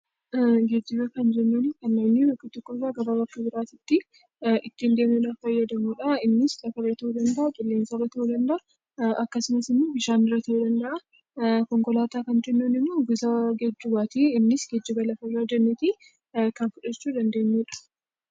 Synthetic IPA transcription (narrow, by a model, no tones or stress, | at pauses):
ɡɛd͡ʒːɪbɐkɐnd͡ʒɛnːunkɐnːɐmnibɐkːɪt̪ːɔkːɔsaːɡɐbabɐkːɐbɪɾaːt̪ɪt̪ːɪ | ʔɪt̪ːɪnd̪eːmʊᶑɐfɐjːɐd̪ɐmuːᶑɐɪnːɪsᶑɐkɐrɐt̪ɐud̪ɐnd̪ɐʔɐtʼʊlːeːnsaːrɐt̪ɐud̪ɐnd̪ɐʔɐ | ʔɐkːɐsɪmɐsɪmːoːbɪʃaːnɪrːɐt̪ɐhud̪ɐnd̪ɐʔɐ | kɔŋkɔlaːt̪aːkɐnd͡ʒɛnːunɪmːoːɡʊzaɡɛd͡ʒːʊbaːt̪iːɪnːɪsɡɛd͡ʒːɪbɐlɐfɐjːad͡ʒɛnːɛt̪i | kɐnfʊᶑɐɛt͡ʃːuːd̪ɐnd̪e̞ːɲːuᶑɐ̥